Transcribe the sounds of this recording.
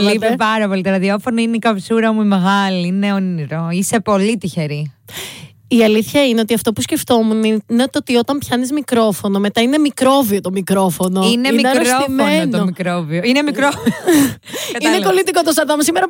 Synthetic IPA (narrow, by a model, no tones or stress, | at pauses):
livepɐɾɐpo̞lit̪eɾɐðiofonoineikɐpsuɾɐmuimeɣɐliineoniɾoise̞po̞lit̪içe̞ɾi | iɐliθçɐine̞ot̪iɐft̪opusce̞ft̪o̞muninet̪ot̪io̞t̪ɐmpçɐnizmikɾo̞fo̞no̞me̞t̪ɐine̞mikɾo̞viot̪o̞mikɾo̞fo̞noinemneɐɾeɾsoifmennomikɾovioinemikɾofio | ineko̞lit̪iko̞t̪ost̪ɐɾðomusimeɾɐ